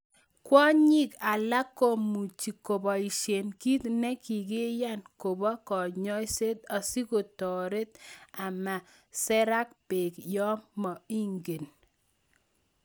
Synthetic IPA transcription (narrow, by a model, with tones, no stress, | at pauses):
kwɔ˦ɲi˦ka˨la˦ko˦˨mu˨t͡ʃi˨ko˨bɔ˨i˨ʃe˨nki˦t̪nɛ˦ki˨ɡe˦ja˦nko˨bɔ˦kɔ˨ɲɔ˦jse˦t̪a˨si˦ko˨t̪ɔ˨ɾe˦t̪̚a˨ma˨ | sɛ˦ɾa˦k̚pe˨kjɔ˦mːɔ˨i˦ŋɡe˨n